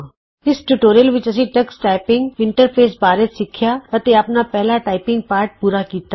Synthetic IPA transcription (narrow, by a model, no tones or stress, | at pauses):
ɪsʈuʈoːɾijəlʋɪt͡ʃɐsĩʈɐksʈaːɪpɪ̃ŋɡʋɪ̃ɳʈəɾpʰeːsbaːɾet̪sɪkʰjaʋɐt̪eɐpnapɛɦlaʈaːɪpɪ̃ŋɡ̚paːɾʈ̚puːɾakiːt̪a